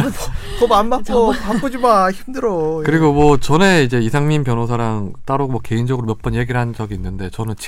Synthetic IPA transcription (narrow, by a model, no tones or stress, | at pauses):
kʌbanbak̚k͈opakk͈od͡ʑimaçimdɯɾʌkɯɾiɡomwʌt͡ɕʌne̞id͡ʑe̞isʰaŋminpjʌnɦos̬ʰaɾaŋt͈aɾomwʌke̞ind͡ʑʌɡɯɾomjʌp͈ʌnje̞ɡiɾɭɦand͡ʑʌɡiːnːɯnde̞t͡ɕʌnɯnt͡ɕ